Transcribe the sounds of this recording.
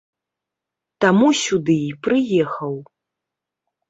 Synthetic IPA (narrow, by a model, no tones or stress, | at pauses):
t̪amusʲud̪ɨipɾɨjɛxɐw